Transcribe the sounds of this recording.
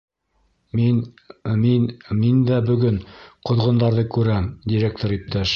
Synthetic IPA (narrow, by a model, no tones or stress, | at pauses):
min | minmind̪æbɵ̆ɡɵnqŏðʁŏnd̪ɑɾðɤkʉɾæmd̪ʲiɾʲek̚t̪oɾip̚t̪ʰæʃ